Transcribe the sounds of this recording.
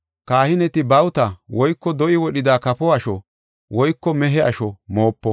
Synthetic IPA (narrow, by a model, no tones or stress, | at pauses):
kaːhɪnɛt̪ɪbɐwt̪ɐwɔjkːɔd̪ɔʔɪwɔɗɪd̪aːkɐpɔɐʃɔ | wɔjkːɔmɛɦɛɐ̰ʃɔmo̞ːpːɔ